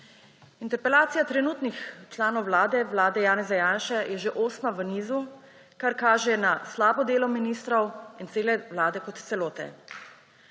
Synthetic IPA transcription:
int̪ɛɾpɛlaːt̪sijat̪ɾɛnuːt̪nixt͡ʃlaːnɔwlaːd̪ɛʋlaːd̪ɛjaːnɛzajaːnʃɛjɛʒeʔoːsmaʋəniːzu | kaɾkaːʒɛnaslaːbɔd̪eːlɔminiːst̪ɾɔwint̪seːlɛʋlaːd̪ɛkɔt̪t̪sɛloːt̪ɛ̰

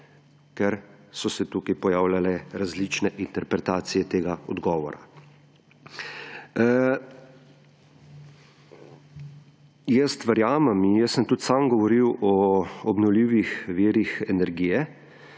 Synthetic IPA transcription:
kɛɾsɔsɛt̪ukajpɔjaːwlʲalɛɾazlit͡ʃnɛʔint̪ɛɾpɾɛt̪aːt̪sijɛt̪eːɡaɔd̪ɡɔːʋɔ̰ɾa̰ | jɛst̪ʋɛɾjaːmɛminjɛssəmt̪ut̪samɡɔʋɔɾiwɔɔbnɔwliːʋixʋiːɾixɛnɛɾɡiːjɛ

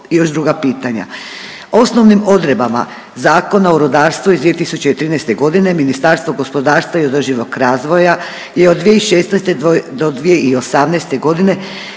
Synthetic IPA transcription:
ijo̞ʒd̪ɾuɡapiːt̪aɲa̰ | o̞sno̞ʋnimo̞d̪ɾe̞bama̰ | zaːko̞naoɾod̪aːɾst̪ʋuizd̪ie̞t̪isut͡ɕe̞it̪ɾiːnɛst̪e̞ɡo̞d̪ine̞minist̪aɾst̪ʋo̞ɡo̞spo̞d̪aːɾst̪ʋaio̞d̪r̩ʒiʋo̞kɾaːzʋo̞ja | jeod̪ːʋijeiʃeːst̪nɛst̪ed̪od̪ʋije̞io̞samnɛjst̪e̞ɡo̞d̪ine̞

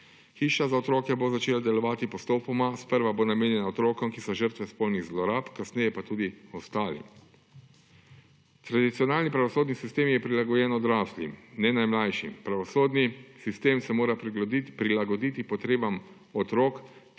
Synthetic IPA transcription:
xiːʃazaɔt̪ɾoːkɛbozat͡ʃeːlad̪ɛlɔʋaːt̪ipɔst̪oːpɔmaspəɾʋabonameːnjɛnaɔt̪ɾoːkɔmkisɔʒəɾt̪ʋɛspolniɣzlɔɾaːpkasnɛjɛpat̪uːd̪iɔst̪aːlḭ | t̪ɾad̪it̪sijɔnaːlnipɾaʋɔsoːd̪nisist̪eːmjɛpɾilaɡɔjɛːnɔd̪ɾaːslḭnɛnajmlajʃḭpɾaʋɔsoːd̪nisist̪eːmsɛmoːɾapɾilaɡɔd̪iːt̪ipɔt̪ɾeːbam | ɔt̪ɾoːk

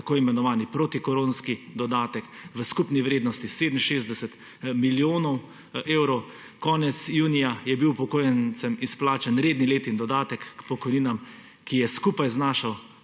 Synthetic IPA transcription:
akoːimɛnɔʋaːnipɾot̪ikɔɾoːnskid̪ɔd̪aːt̪ɛkʋəskupniʋɾeːd̪nɔst̪iseːd̪nm̩ʃeːzd̪ɛsɛt̪ | miljoːnɔw | eːwɾɔw | kɔːnɛt̪sjuːnijajɛbiwpɔkoːjɛnt͡ssɛmisplaːt͡ʃanɾeːd̪nileːt̪ind̪ɔd̪aːt̪ɛkːpɔkɔjniːnam | kijɛskuːpajznaːʃaw

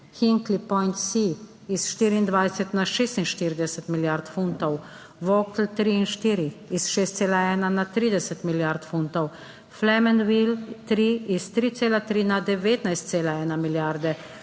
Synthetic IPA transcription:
xiŋklipɔjnt̪siː | sʃt̪iːɾiːnd̪ʋajsɛt̪naʃeːst̪inʃt̪iɾid̪ɛsɛt̪miljaɾt̪funt̪ɔw | ʋɔklt̪ɾiinʃt̪iːɾiisʃeːst̪seːlaɛːnanat̪ɾiːd̪ɛsɛt̪miljaɾt̪funt̪ɔw | flɛmɛnwilt̪ɾiist̪ɾiːt̪seːlat̪ɾinad̪ɛʋeːt̪najst̪seːlaɛːnamiljaɾd̪ɛ

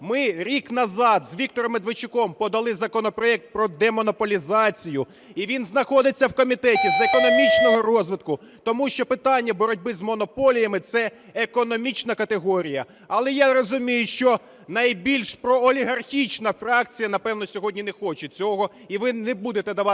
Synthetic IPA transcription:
mɪɾʲiknɐzɑd̪zʋʲikt̪ɔɾɔmed̪ʋɪt͡ʃɪkɔmpɔd̪ɐlˠɪzɐkɔnɔpɾɔɛk̚t̪̚pɾɔd̪ɛmɔnɔpɔlʲizɑt͡sʲijʊ | iʋʲinznɐxɔd̪ɪt͡sʲːɐwkɔmʲit̪ɛtʲizekɔnɔmʲit͡ʃnɔɦɔrɔzʋɪt̪̚kʊ | t̪ɔmuʃt͡ʃɔpɪt̪ɑnʲːɐbɔɾɔdʲbɪzmɔnɔpɔlʲijɐmɪt̪sɛ | ekɔnɔmʲit͡ʃnɐkɐt̪eɦɔɾʲijɐ | ɐlˠɛjaɾɔzʊmʲijʊʃt͡ʃɔ | nɐjbʲilʲʃpɾɔːlʲiɦɐrxʲit͡ʃnɐfɾɑk̚t͡sʲijɐnɐpɛwnɔsʲɔɦɔdʲnʲinexɔt͡ʃet͡sʲɔɦɔ | iʋɪnɛbud̪et̪ɛd̪ɐʋɑ

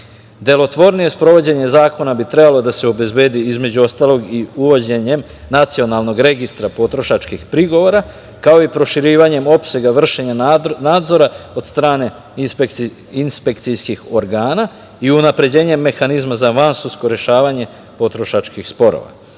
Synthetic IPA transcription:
d̪e̞lˠo̞t̪ʋo̞ɾnije̞spɾo̞ʋo̞d͡ʑe̞ɲe̞zaːko̞nabit̪ɾe̞balˠo̞d̪ase̞obe̞zbe̞ːd̪iizme̞d͡ʑuo̞st̪aːlˠo̞ɡiuʋod͡ʑe̞ɲe̞m | nat̪sio̞nalˠno̞ɡɾe̞ɡist̪ɾapo̞t̪ɾo̞ʃat͡ʃkixpɾiɡo̞ʋoɾa | kao̞ipɾo̞ʃiɾiːʋaɲe̞mo̞pse̞ɡaʋr̩ʃe̞ɲanaːd̪zo̞ɾao̞d̪̥st̪ɾaːne̞ | ipeki | inspe̞kt̪sijskixo̞ɾɡaːna | iunapɾe̞d͡ʑe̞ːɲe̞mːe̞xanizmazaʋansusko̞ɾje̞ʃaːʋaɲe̞ | po̞t̪ɾo̞ʃat͡ʃkixspo̞ɾo̰ʋa̰

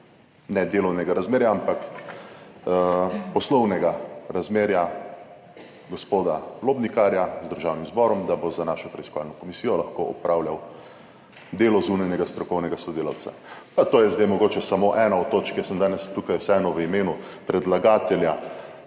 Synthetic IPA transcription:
nɛd̪eːlɔwnɛɡaɾazmeːɾjaampak | pɔslɔwnɛɡaɾazmeːɾja | ɡɔspoːd̪aloːbnikaɾjazd̪əɾʒaːwnimzbɔːɾɔmd̪abozanaːʃɔpɾɛiskɔʋa̰lnɔkɔmisijɔlaxkoʔɔpɾaːwljaw | d̪eːlɔzunajnɛɡast̪ɾɔkɔwnɛɡasɔd̪eːla̰wt̪sa̰pat̪oːjɛzd̪ajmɔɡoːt͡ʃɛsamoʔɛːnaɔt̪ːoːt͡ʃkjəsəmd̪aːnɛst̪ukajwsɛɛnɔʋəimeːnu | pɾɛd̪laɡaːt̪ɛlja

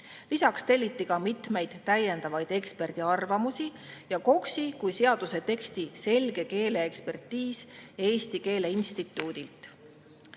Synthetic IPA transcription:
lisɑkst̪e̞lʲːit̪ːikɑmit̪ˑme̞jd̪̥ːæje̞nd̪ɑvɑjd̥̪e̞kspe̞rd̪̥iɑrvɑmusi | jɑko̞ksikujse̞ɑd̪̥use̞t̪e̞kst̪ise̞lɡ̥e̞ke̞ːle̞ːkspe̞rt̪ːiːsjɑe̞ːst̪ike̞ːle̞inst̪it̪ːˑuːd̪̥ilt̪ˑ

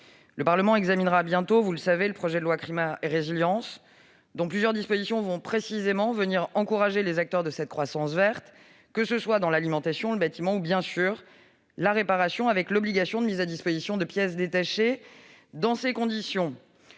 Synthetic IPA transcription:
ləpaʁləmɑ̃ɛɡzaminʁabjɛ̃t̪ovuləsaveləpχɔʒɛd̪əlwakχimaeʁeziljɑ̃s | d̪ɔ̃plyzjœʁd̪ispozisjɔ̃vɔ̃pχesizemɑ̃vəniʁɑ̃kuʁaʒelezak̚t̪œʁd̪əsɛt̪̚kχwasɑ̃svɛʁt̪ | kəsəswad̪ɑ̃lalimɑ̃t̪asjɔ̃ləbat̪imɑ̃ubjɛ̃syːʁ | laʁepaʁasjɔ̃avɛklɔbliɡasjɔ̃d̪əmizad̪ispozisjɔ̃d̪əpjɛs̬d̪et̪aʃed̪ɑ̃sekɔ̃d̪isjɔ̃

